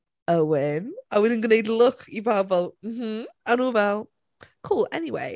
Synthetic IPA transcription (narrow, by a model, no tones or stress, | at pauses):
əwɪmawɪdɪ̃nɡənedlˠʊkʰibabɔlˠm̩m̥m̩anuvɛlˠ | kʰuːlˠɛ̰niwḛɪ